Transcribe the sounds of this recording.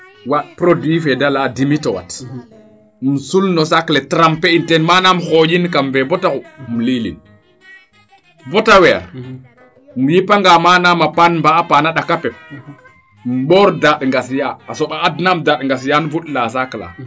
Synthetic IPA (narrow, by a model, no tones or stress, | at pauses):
watpɾodwifɛdaladimitɔwa̰t | m̩sulnɔsaklɛtɾampɛintɛnmanamxod͡ʒinkamvɛbɔtakumlilḭn | bɔtawɛa̰ɾ | mujipaŋɡamanamapanmbaːpanaɗakapɛp̚ | m̩ɓɔɾdaɗŋɡasjaːsɔɓaːdnamdaɗŋɡasjanvuɗlasakla̰